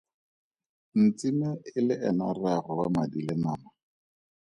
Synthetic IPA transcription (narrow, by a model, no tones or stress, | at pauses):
n̩t͡simɪɪlɪʔɛnararɔwa̰madilɪnaːma